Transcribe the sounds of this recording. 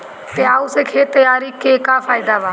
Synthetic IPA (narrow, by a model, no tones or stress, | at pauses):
t̪eːaːuseːkʰeːt̪əjaːɾiːkeːkaːfʰaːɪd̪aːʋaː